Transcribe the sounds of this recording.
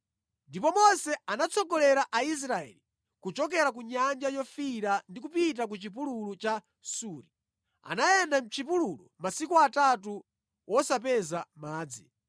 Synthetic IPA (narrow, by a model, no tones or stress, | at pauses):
ndipɔmɔnsɛanat͡sʰɔkɔlɛɾaʔais̬ɾaɛ̰li | kut͡ʃɔk̬ɛɾak̬uɲand͡ʒajɔfiɾandikupit̬ak̬ut͡ʃip̬ululut͡ʃa | suːɾi | a̰najɛndam̩t͡ʃʰipululṵmasikuatatu | wɔsap̬ɛzamaːd͡zi